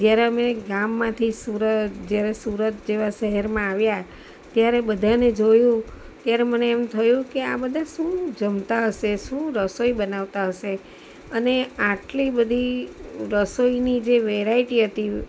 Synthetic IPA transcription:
d͡ʒjaɾeəmeɡamːãt̪ʰisuɾəd͡ʒjaɾesuɾət̪̚d͡ʒeʋaʃəɦɛɾmãaʋja | t̪jaɾebəd̪ʱaned͡ʒojũ | t̪jaɾeməneːmt̪ʰəjũkeabəd̪ʱaʃũd͡ʒəmt̪aɦəʃeʃũɾəsoibənaʋt̪aɦəʃe | əneaʈlibəd̪ʱiɾəsoinid͡ʒeʋeɾaiʈiɦət̪i

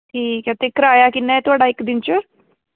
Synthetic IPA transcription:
ʈʰiːkat̪ekɾaːjakɪnat̪oɦaːɽaɪkːd̪ɪnt͡ʃə

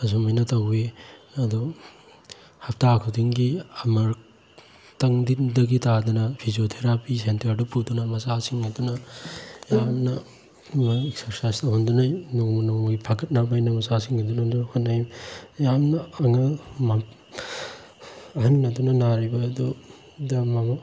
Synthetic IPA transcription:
ɐs̬umɐjnɐtɐwiɐdu | hɐp̚ʰtakʰudiŋɡiɐmɐɾ | tɐŋdidɐɡitadɐnɐpʰiziotʰeɾapisentɐɾdupudunɐmɐsasiŋɐdunɐ | jamnɐ | mɐeksɐɾsajstɐɦundunajnoŋmunomɡipʰaɡɐt̚nabajnɐmɐsasiŋɐdunɐduhotnːajjamnɐːŋɐma | ɐɦɐnːɐdunɐnaɾibɐːdu | dɐmamɐ

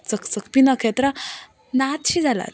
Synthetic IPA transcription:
t͡səkt͡səkpinʌkʰet̪ɾə | nat̪ɕid͡zala̰t̪

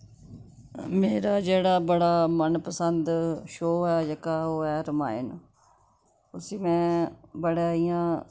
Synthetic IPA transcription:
meːɾaːd͡ʒeːɽaːbəɽaːmənpəsənd̪ʃoːɛːd͡ʒəkaːɦoːɛːɾəma̰ːɪ̰n | ʊsiːmɛ̃ːbəɽeːijãː

